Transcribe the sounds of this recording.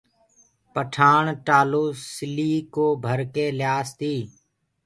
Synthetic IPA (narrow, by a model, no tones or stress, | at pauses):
pəʈʰaːɳʈaːloːsɪliːkoːbʱəɾkeːljaːst̪iː